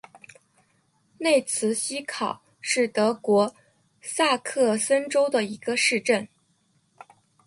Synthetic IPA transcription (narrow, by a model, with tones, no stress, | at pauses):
ne˥˩ɪt͡sʰɹ̩˧˥ɕi˥kʰɑ˨˩˦ʊ | ʂɻ̩˥˩t̪ɤ˧˥kwɔ˧˥ | sa˥˧kʰɤ˥˩sə˥nʈ͡ʂo˥ʊd̪ə˨i˧˥ɡə˧ʂɻ̩˥˧ʈ͡ʂə˥˩n